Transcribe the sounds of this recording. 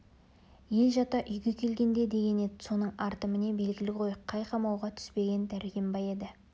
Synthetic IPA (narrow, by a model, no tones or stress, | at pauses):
je̞lʒɑt̪ɑʔʏjɡʲe̞kʲʰe̞lɡʲe̞nd̪e̞d̪e̞ɡʲe̞ne̞d̪ɪso̞nəɴɑɾt̪əmənebe̞lɡʲɪlɪqʰo̞jəqʰːɑjqʰɑmɑwʁɑt̪ʰʏ̥spe̞ɡʲe̞nd̪æɾɪjʲɪmbɑje̞d̪ɪ